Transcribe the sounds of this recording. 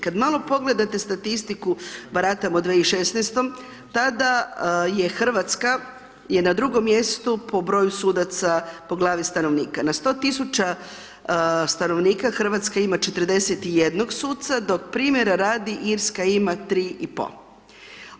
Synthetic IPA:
kad̪malˠo̞po̞ɡle̞d̪at̪est̪at̪ist̪ikubaɾat̪amod̪ʋeiʃe̞snest̪o̞m | t̪ad̪aje̞xr̩ʋat̪ska | je̞nad̪ɾuɡo̞mːje̞st̪upʰo̞bɾo̞ːjusuːd̪at̪sapo̞ɡlˠaːʋist̪ano̞ʋniːkanast̪o̞ːt̪isut͡ʃa | st̪ano̞ʋniːkaxr̩ʋat̪skaimat͡ʃe̞t̪r̩d̪e̞set̪ije̞d̪no̞ɡsuːt̪t̪sad̪o̞k̚pɾiːmje̞ɾaɾaːd̪iʔiɾskaimat̪ɾiːʔipo̰

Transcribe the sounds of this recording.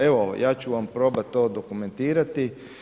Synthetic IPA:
e̞ʋojaːt͡ɕuʋampɾo̞ːbat̪t̪ːo̞ːd̪o̞kume̞nt̪iːɾat̪i

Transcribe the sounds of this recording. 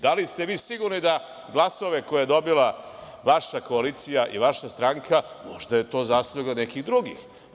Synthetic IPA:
d̪alist̪e̞ʋiːsiɡuɾnid̪a | ɡlˠaso̞ʋe̞ko̞jajed̪o̞bila | ʋaʃako̞aliːt̪sijaʔḭʋaʃast̪ɾaŋkʰa | mo̞̰ʒd̪aje̞t̪o̞ːzasoɡanekiɣd̪ɾuɡḭx

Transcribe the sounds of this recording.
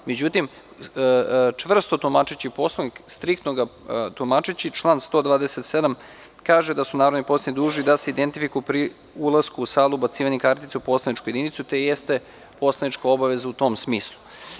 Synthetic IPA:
me̞d͡ʑut̪im | t͡ʂʋvr̩st̪ot̪omat͡ʃit͡ɕiipo̞slˠonikst̪ɾik̚t̪noɡat̪omat͡ʂit͡ɕit͡ʃlˠaːnst̪o̞d̪vʋaːd̪eset̪se̞d̪am | kaːʒed̪asunaːɾod̪nipo̞sanid̪uːʒnid̪aseid̪ent̪ifikujupɾi | ulˠaskuːsaːlˠuːbat̪siːʋaɲekaɾt̪it̪seupo̞slanit͡ʃkujed̪init̪sut̪e̞jest̪e̞ | po̞slˠanit͡ʃkao̞baʋe̞zaut̪o̞msmiːslˠu

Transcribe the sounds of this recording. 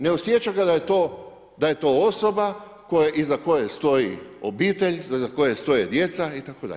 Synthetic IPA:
neosjet͡ʃaɡad̪ajet̪oː | d̪aje̞t̪o̞oso̞ba | ko̞jeʔizako̞jest̪o̞jḭobiːt̪e̞ʎzzako̞jest̪o̞jed̪je̞t̪sait̪akod̪a̰ʎ

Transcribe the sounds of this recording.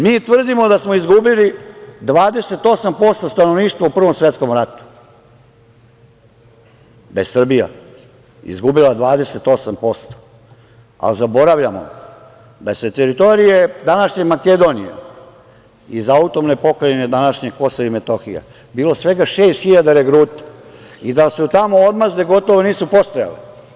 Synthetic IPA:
miːt̪ʋr̩d̪imo̞d̪asmo̞izɡubilid̪ʋaːd̪e̞se̞t̪o̞sampo̞st̪ost̪ano̞ʋniːʃt̪ʋaupr̩ʋo̞msʋet̪sko̞mɾat̪u̥ | d̪a̰jesr̩bija̰ | ḭzɡubilad̪ʋaːd̪eset̪o̞sampo̞st̪o̥ | a̰lzabo̞ɾaʋʎamo̰ | d̪aset̪eɾit̪o̞ɾije̞d̪anaʃɲemaked̪o̞nijḛ | izaut̪o̞mnepo̞kɾained̪anaʃɲeɡko̞soimet̪oxija̰ | biːlo̞sʋe̞ɡaʃeːst̪xiʎad̪aɾeɡɾuːt̪ḁ | id̪asut̪amo̞od̪mazeɡo̞t̪oʋoniːsupost̪oja̰le

